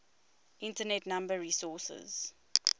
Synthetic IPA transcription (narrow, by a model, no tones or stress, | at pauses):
ʔɪ̃ntənɛtnãmbəɹiːsɔsə̰z̥